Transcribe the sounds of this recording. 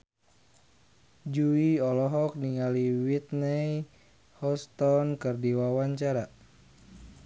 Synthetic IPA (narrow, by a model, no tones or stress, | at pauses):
d͡ʒuiɔlɔɦɔk̚niŋaliwit̪̚nɛj | hɔst̪ɔnkɨrdiwawaɲt͡ʃaɾa